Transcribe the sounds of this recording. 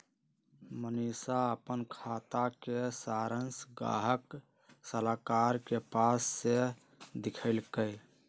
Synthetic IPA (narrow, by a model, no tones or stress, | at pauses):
mənisaəpənkʰat̪akesaɾənsɡa̰ɦək | səlakaɾkepasːe | d̪ikʰəɪlkəj